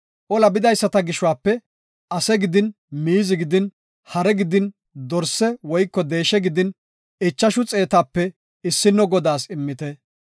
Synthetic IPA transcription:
ʔɔlɐbɪd̪ɐjsːɐt̪ɐɡɪʃʊwaːpːɛ | ʔɐsɛɡɪd̪ɪn | miːzɪɡɪd̪ɪn | hɐɾɛɡɪd̪ɪn | d̪ɔɾsːɛwɔjkːɔd̪e̞ːʃɛɡɪd̪ɪn | ɪt͡ʃːɐʃʊt͡sʼe̞ːt̪aːpːɛ | ɪsːɪnːɔɡɔd̪aːsɪmːɪt̪ɛ

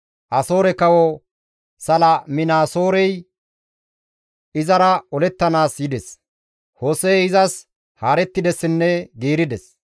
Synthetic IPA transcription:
ʔɐsoːɾɛkɐwɔ | sɐlɐmɪnaːso̞ːɾɛj | ɪzɐɾɐɔlɛt̪ːɐnaːsjɪd̪ɛs | hoːsɛjɪzɐs | haːɾɛt̪ːɪd̪ɛsːɪnːɛɡiːɾɪd̪ɛs

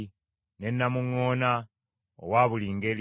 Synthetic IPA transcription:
ne̞nːamuŋːo̞ːna | o̰waβuliŋɡel

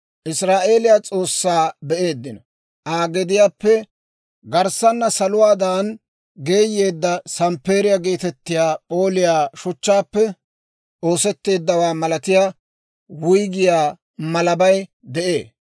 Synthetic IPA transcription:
ʔɪsɾaːʔe̞ːlɪjat͡sʼo̞ːsːaːbɛʔe̞ːd̪ːɪnɐ | ʔaːɡɛd̪ɪjaːpːɛ | ɡɐɾsɐnːɐsɐlʊwaːd̪aːn | ɡe̞ːjːe̞ːd̪ːɐsɐmpe̞ːɾɪjɐɡe̞ːt̪ɛt̪ːɪjaːpʼo̞ːlɪjaːʃʊt͡ʃːaːpːɛ | ʔo̞ːsɛt̪ːe̞ːd̪ːɐwaːmɐlɐt̪ɪjaː | wʊjɡɪjaː | mɐlɐbɐj | d̪ɛʔe̞̰ː

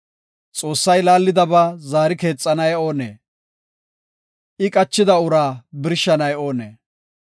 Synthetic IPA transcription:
t͡sʼo̞ːsːɐjlaːlːɪd̪ɐbaːzaːɾɪke̞ːt͡sʼːɐnɐjo̞ːnḛː | ʔɪkʼɐt͡ʃːɪd̪ɐʊɾaːbɪɾʃːɐnɐjo̞ːnḛː

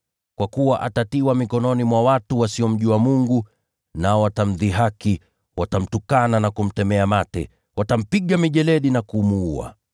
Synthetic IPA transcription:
kwakuwaʔatatiwamikɔnɔnimwawatuwasiɔm̩ʄuwamuŋɡu | naɔwatam̩ðiɦaki | watam̩tukananakum̩tɛmɛamatɛ̰ | watam̩piɠamiʄɛlɛɗinakumuua̰

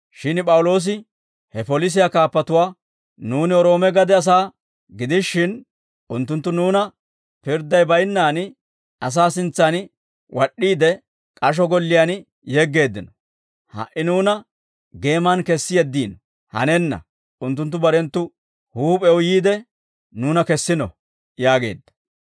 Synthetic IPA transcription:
ʃɪnpʼɐwʊlo̞ːs̬ɪ | hɛfɔlɪs̬ɪjakaːpːɐt̪ʊwaː | nuːnɪɔɾo̞ːmɛɡɐd̪ɛɐs̬aː | ɡɪd̪ɪʃːɪn | ʊnt̪ːʊnt̪ːʊnuːnɐ | pɪɾd̪ɐjbɐjnːaːn | ɐs̬aːsɪnt͡sːɐn | wʔɐɗːiːd̪ɛ | kʼɐʃ̬ɔɡɔlːɪjan | jɛɡːe̞ːd̪ːɪnɔ̥ | hɐ̰ʔɪnuːnɐ | ɡe̞ːmankɛsːɪjɛd̪ːiːnɔ | hɐ̰nɛnːɐ̰ | ʔʊnt̪ːʊnt̪ːʊbɐɾɛnt̪ːʊ | huːpʼɛʊjiːd̪ɛ | nuːnɐkɛsːɪnɔ̰ | jaːɡe̞̰ːd̪ːɐ̥

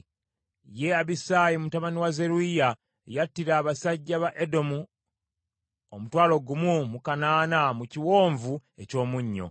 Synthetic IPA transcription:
je̞aβisaːjimutaβaniwaze̞ɾuija | ejatːiɾaːβasaɟːaβaʔedo̞mu | omutwaːlo̞ɡumumukanaːnamuciwo̞ːɱvue̞co̞ːmuɲːo̞̰

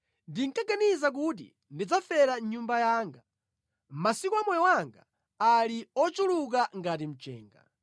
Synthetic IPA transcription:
ndiŋkaɡanizak̬ut̬ḭ | ndid͡zafɛɾaɲumbajaːŋɡa | masikuamɔjɔwaŋɡa | aliɔt͡ʃuluk̬aŋɡatim̩t͡ʃɛ̰ːŋɡa̰

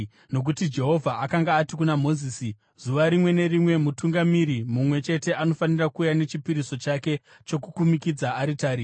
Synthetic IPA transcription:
no̞k̬utid͡ʒe̞ɦo̞vʱaʔakaŋɡaːtikunamo̞ziːsi | z̥uʋaɾimwe̞ne̞rimwe̞mutuŋɡamiɾimumwe̞t͡ʃe̞te̞ʔano̞fanirakuːjanet͡ʃipiɾiso̞t͡ʃake̞ | t͡ʃo̞kukumikid͡zaːɾitaːɾi

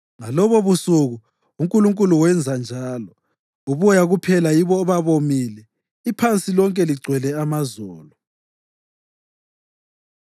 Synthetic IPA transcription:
ŋalɔβɔβusuɣu | uŋkʼuluŋkʼuluwɛnd͡zʱand͡ʒʱaːlɔ | uβjaɣupʰɛlajiβɔːβaβomilɛ | ipʰant͡sʼilɔŋkʼɛliɡ͡ǀʱwɛlɛamazɔːlɔ

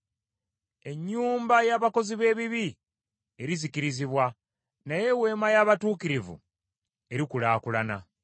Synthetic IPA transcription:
e̞ɲːuːmbajaːβako̞ziβe̞ːβiβi | e̞ɾizikiɾiziβwa | naje̞we̞ːmajaːβatuːkiɾivṵ | e̞ɾikulaːkulana

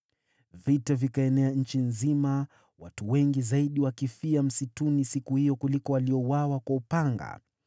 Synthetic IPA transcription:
vitavikaɛnɛaɲ̩t͡ʃinzima | watuwɛŋɡizaiɗiwakifiam̩situnisikuhijɔkulikɔwaliɔwawakwaupaŋɡa̰

